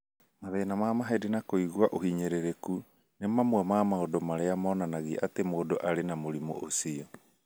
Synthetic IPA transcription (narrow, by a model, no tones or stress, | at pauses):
maðenamamaɦedenakoiɣuaʔohiɲeɾeɾeku | nemamwɛmamaodɔmaɾeamaɔnanaɣḭʔatemoːdoʔaɾenamoɾimo̰ʔosiɔ